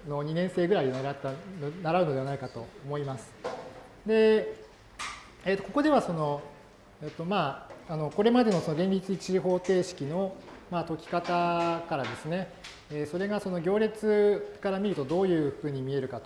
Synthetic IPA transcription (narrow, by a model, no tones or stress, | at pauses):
no̞ɲ̟inẽ̞ɰ̃se̞ːɡɯ̟ɾainaɾat̪ːanaɾaɯno̞d̪e̞anaikat̪o̞ːmo̞imasɨ̥ | d̪e̞ | et̪ːo̞ko̞ko̞d̪e̞βaso̞no̞ | et̪ːo̞maːno̞ko̞ɾe̞mad̪e̞no̞so̞no̞ɡẽ̞ɲʲit͡sɨit͡ɕiɦo̞ːt̪e̞ːɕi̥kʲino̞mat̪o̞kʲi̥kat̪akaɾad̪e̞sɨne̞ | eso̞ɾe̞ɡaso̞no̞ɡʲo̞ːɾʲet͡sɨkaɾamʲiɾɯ̟t̪o̞d̪o̞ːjɯ̟ːɸɯ̟ɲ̟ːimʲie̞ɾɯ̟kat̪o